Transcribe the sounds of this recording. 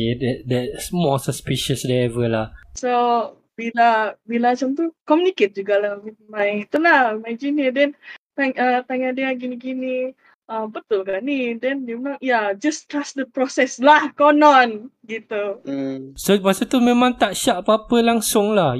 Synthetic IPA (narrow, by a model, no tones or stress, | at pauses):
ɛdɛtdɛtsmɔsəspiʃəsdɛɛvəlahso | bilabilamat͡ʃamt̪ukɔmjuniket̪̚d͡ʒuɡalahwit̪̚mãjŋit̪ulahimad͡ʒinjədɛ̃nt̪aŋət̪aŋadiaɡiniɡini | ʔəmbət̪ʊlkanidɛndəmnɔjad͡ʒast̪ɾasdəpɾɔsɛslahkɔnɔnɡit̪u | somasət̪umẽmãŋt̪aʔʃaʔpəapəlaŋsʊŋlah